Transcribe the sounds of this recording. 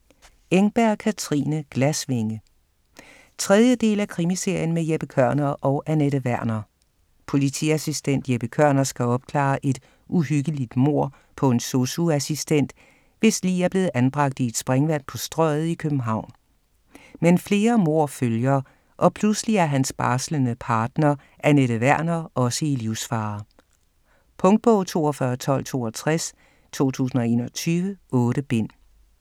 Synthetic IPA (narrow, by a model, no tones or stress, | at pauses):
eŋb̥æɐ̰kʰæt͡sʰʁḭːnəɡ̥læsʋe̝ŋə | t͡sʰʁɛð̞ˠjəd̥e̝̰ːlækʰʁimise̝ɐ̰jən̩mejeb̥əkʰɶɐ̰nɐːʔɒ̽ʊʔæneɾəʋæɐ̰nɐː | pʰo̝lit͡sʰḭæsisd̥en̰d̥jeb̥əkʰɶɐ̰nɐsɡ̥æɒ̽b̥̚kʰlɑ̰̈ːʔe̝d̥ | ʔuɦyɡ̥əlid̥mo̝ɐ̰ | pʰɒ̽e̝nso̝suæsisd̥en̰d̥ | ʋe̝sliːæɐb̥le̝ːð̩ˠʔænb̥ʁɑ̈ɡ̥̚d̥ie̝d̥sb̥ʁɛŋʋæn̰pʰɒ̽sd̥ʁœɪð̞̩ˠikʰøb̥m̩ɦɑ̈ʊ̰n | menfle̝ːɐmo̝ɐ̰føljɐ | ʔɒ̽pʰlusliæɐɦænsb̥ɑ̈ːslənəpʰɑ̈ːd̥nɐ | ʔæɐneɾəʋæɐ̰nɐːʔɒ̽səiliʊ̰sfɑ̈ː | pʰɔ̽ŋd̥̚b̥ɔ̽ʊt͡sʰo̝̰ːɒfɶɐt͡sʰɒ̽l̰t͡sʰo̝̰ːɒt͡sʰʁas | t͡sʰo̝̰ːt͡sʰṵːsn̩ɒe̝̰ːnɒt͡sʰyːʋəʔɔːɾ̥əb̥e̝n̰